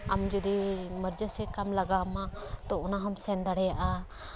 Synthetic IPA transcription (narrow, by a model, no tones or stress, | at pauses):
amd͡ʒud̪iməɾd͡ʒəsɛkamlaɡamaʔ | t̪ɔʔɔnaɦɔmsɛnd̪aɽɛjaʔa